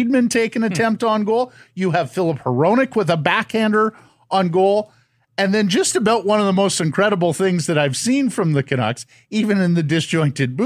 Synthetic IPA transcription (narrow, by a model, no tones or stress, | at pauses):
id̚mɨ̃ntʰeɪkɨ̃nɨtʰɛ̃mp̚tn̩ɡoʊlˠjɨːv̥fɪlˠəphə˞õʊ̃nɨkwəðəbækhæ̃ndə˞ | ʔə̃nɡoʊlˠ | ɨ̃nðɨ̃nd͡ʒʌstɨbaʊʔ̚wʌ̃nʌvðəmoʊstɨ̃nkʰɹ̥ɛɾəbl̩ˠθɪ̃ŋzðɨɾaɪv̥sĩnfɹʌ̃mðɨkʰɨɾɑ̰ks | ivɨ̃nɨ̃nðɨdɨsd̥ʒ̥ɔ̃ɪ̃ntɨd̚b